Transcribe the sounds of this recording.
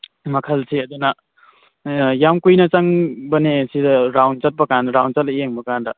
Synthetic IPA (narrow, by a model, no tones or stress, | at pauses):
mɐkʰɐlsiɐd̪unɐ | jamkujnɐt͡ʃaŋbɐnesidɐɾawnt͡ʃɐt̚pɐkanɾawnt͡ʃɐt̚lɐeŋbɐkandɐ